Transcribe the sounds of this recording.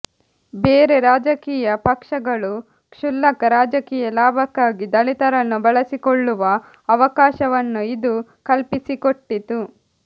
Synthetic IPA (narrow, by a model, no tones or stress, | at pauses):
beːɾe̞ɾaːd͡ʒɐkiːjɐpɐkʂɐɡɐɭu | kʂulːɐkɐɾaːd͡ʒɐkiːjɐlaːbʱɐkːaːɡid̪ɐɭit̪ɐɾɐnːubɐɭɐsikoɭːuʋɐː | ʋɐkaːʃɐʋɐnːuid̪ukɐlpisikoʈːit̪u